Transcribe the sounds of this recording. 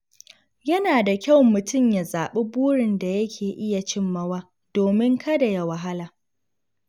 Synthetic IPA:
jɐ˦naː˨da˨kʲa˦˨wmʊ˨tʊ˦˨mja˨zaː˨ɓe˦buː˦ɽɪ˨nda˨jɐ˦kʲʰeː˨ʔɪ˦ja˨t͡ʃɪ˦mːɐ˦waː˦ | doː˨mɪ˦ŋkʰɐ˦da˨ja˨wɐ˨ɦa˦laː˨

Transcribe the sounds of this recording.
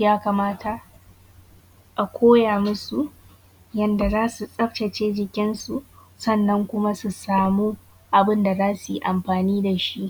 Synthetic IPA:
jaː˦kaː˨maː˦tʰa˨ | ʔa˨kʷʰoː˦jaː˨mʊ˦su˨ʔ | jɐ˦nda˨zaː˦su˨sʼɐ˦ɸt͡ʃɐ˨t͡ʃeː˦d͡ʒɪ˨kʲɪ˦nsu˨ | sɐ˦˨nːɐ˦ŋkʷʊ˦ma˦su˨saː˨muː˦ | ʔa˨bɪ˦nda˨zaː˦su˨i˨ʔa˨mɸaː˨niː˦da˨ʃi˦ʔ

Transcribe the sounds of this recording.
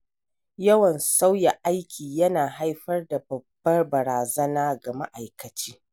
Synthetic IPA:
jɐ˦wɐ˨nsa˦wja˨ʔa˦jkʲʰiː˨jɐ˦naː˨ɦa˦jɸɐ˦rda˨bɐ˨bːɐ˦rbɐ˨ɾaː˨zɐ˦naː˦ɡa˨ma̰˦ʔa˨jkɐ˨t͡ʃiː˦

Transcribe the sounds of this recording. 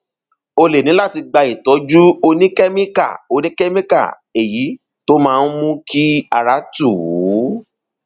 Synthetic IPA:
o˧le˨nĩ˨˦la˦˨ti˧ɡ͡ba˧i˨tɔ˨˦d͡ʒu˦o˧nĩ˦kɛ˦mĩ˦ka̰˦˨o˧nĩ˦kɛ˦mĩ˦ka̰˦˨ | e˨ji˨˦ | to˦mãː˦˧n̩˦mũ˦kʰi˦a̰˨ɾa˨˦tu˦˨wu˨˦

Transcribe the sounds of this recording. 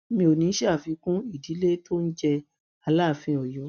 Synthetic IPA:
mĩ˧o˨nĩ˨˦ʃɛ˦a˦˨fĩ˧kũ˦i˦˨di˨˦le˦to˦n̩˦d͡ʒɛ˧ | a˧la˦˨fĩ˧˦ɔ˨jɔ˨˦

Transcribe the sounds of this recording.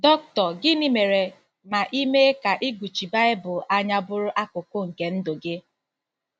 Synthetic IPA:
dɔ˦k̚tɔ˨ɡɪ˦ni˦me˨ɾe˨ | ma˨ʔi˦me˦ka˨ʔɪ˦ɡʷu˨t͡ʃi˨ba˦ɪ˦bʊ˨ʔa˦ɲa˦bʊ˦ɾʊ˦ʔa˦kʊ˨kʊ˦ŋ̩˨ke˨n̩˦do˨ɡe˦

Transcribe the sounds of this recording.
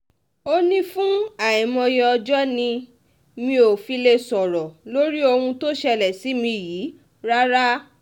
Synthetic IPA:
o˦nĩ˦fũ˦a˨ĩ˨mɔ̃˧jɔ˧ɔ˧d͡ʒɔ˦nĩ˧ | mĩ˧˦o˨fi˧le˧sɔ˨ɾɔ˨lo˦ɾi˦o˧hũ˧to˦ʃɛ˧lɛ˨si˨˦mĩ˧ji˨˦ | ɾa˦ɾa˦

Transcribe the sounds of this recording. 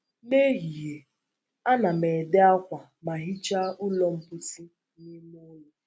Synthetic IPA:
ne˦ɦi˨ɦe˨ | a˦na˨me˨de˦a˦kʷa˨ | ma˨ɦi˦t͡ʃa˦u˦lɔ˦m̩˦pʊ˦ti˦ | ni˦m˦o˦je˦

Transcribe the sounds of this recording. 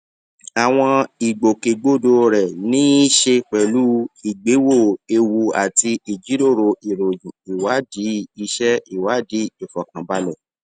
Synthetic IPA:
a˨w̃ɔ̃˧i˨ɡ͡bo˨ke˨ɡ͡bo˦˨do˧ɾɛ˨nĩ˨˦i˦ʃe˧k͡pɛ˨lu˦i˨ɡ͡be˨˦wo˦˨e˧wu˧a˨ti˧i˨d͡ʒi˨˦ɾo˦˨ɾo˧i˨ɾo˨ũ˨i˨wa˨˦di˨˦i˧ʃɛ˦i˦˨wa˨˦di˨˦o˨fɔ˨kã˨ba˧˦lɛ˦˨

